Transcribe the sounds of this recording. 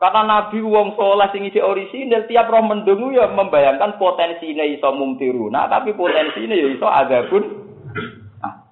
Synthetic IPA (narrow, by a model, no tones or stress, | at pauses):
karnanab̥i̤wɔŋsolahsɪŋisiʔoɾisinelt̪iap̚rɔhmənɖʊŋujɔməmbajaŋkanpot̪ɛnsineisɔmumt̪iɾuna̰t̪apipot̪ɛnsinejoisɔʔa̰ɡa̤b̥ʊ̤n | ʔa̰h